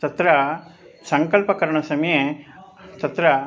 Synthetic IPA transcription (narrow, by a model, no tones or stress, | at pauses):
t̪ɐt̪ɾɐ | sɐŋkɐlpɐkɐɾɐɳɐsɐmje | t̪ɐt̪ɾɐ